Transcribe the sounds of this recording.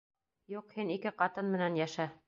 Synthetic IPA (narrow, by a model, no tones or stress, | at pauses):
juqhinikɘqɑt̪ɤnmɘ̆nænjæʃæ